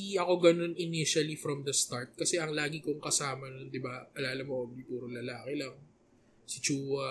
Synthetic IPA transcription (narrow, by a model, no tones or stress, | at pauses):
iʔɐko̞ɡɐno̞nʔɪniʃɐlifɾɔmd̪ɐst̪aɹt̪̚kɐsɛʔɐŋlaːɡikoŋkɐsaːmɐnond̪ɪbaʔɐlaːlɐmoʔobipuːɾolɐlaːkɛlɐŋ | sɪt͡ʃuːwɐ